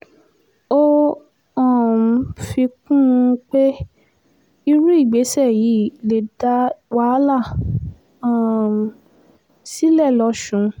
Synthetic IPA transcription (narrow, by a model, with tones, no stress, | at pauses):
o˦ | ɔ˦˨fi˧kũ˦˨˧k͡pe˦ | i˧ɾũ˦i˦˨ɡ͡be˨˦sɛ˦˨ji˨˦le˨˦da˦wa˦la˦˨˦ | si˦lɛ˦˨lɔ˨˧˦ʃũ˨˦